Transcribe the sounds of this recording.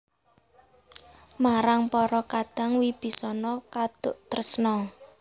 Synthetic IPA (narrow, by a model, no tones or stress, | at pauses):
maɾaŋpɔɾɔkad̪̥a̤ŋwib̥i̤sɔnɔkad̪̥ʊʔt̪ərəsnɔ